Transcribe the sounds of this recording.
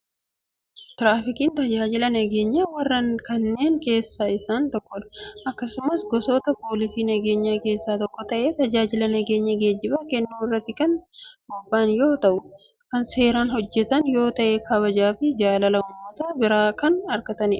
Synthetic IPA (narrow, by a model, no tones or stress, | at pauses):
t̪ɪɾaːfɪkiːnt̪ɐd͡ʒaːd͡ʒɪlɐnɐɡe̞ːɲːɐwɐrːɐnkɐnːe̞ːŋke̞ːsːaːɪsaːnt̪ɔkːɔᶑɐ̥ʔɐkːɐsʊmɐsɡɔsoːt̪ɐpo̞ːlɪsiːnɐɡe̞ːɲːaːke̞ːsːaːt̪ɔkːɔt̪ɐʔeːt̪ɐd͡ʒaːd͡ʒɪlɐnɐɡe̞ːɲːɐɡe̞ːd͡ʒːɪbɐkɛnːuːɪrːɐt̪ːɪkɐnbɔbːaːnjo̞ːt̪ɐʔʊ | kɐnse̞ːɾaːnhɔd͡ʒːɛt̪ɐnjo̞ːt̪ɐʔɛkʰɐβɐd͡ʒaːfɪd͡ʒaːlɐlɐʊmːɐt̪ɐbɪɾaːkɐnɐɾkɐt̪ɐnɪᶑ